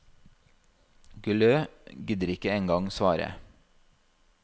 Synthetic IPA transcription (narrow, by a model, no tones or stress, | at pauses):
ɡʉløːɡɪd̪əɾɪkəeːŋɡɑŋsʋɑːɾə̰